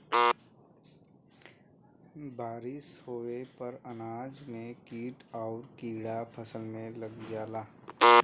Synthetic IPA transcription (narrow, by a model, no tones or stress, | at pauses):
baːɾɪshoːepəɾənaːd͡ʒmẽkiːʈaːɾkiːɽapʰəsəlmẽlɐɡd͡ʒaːlaː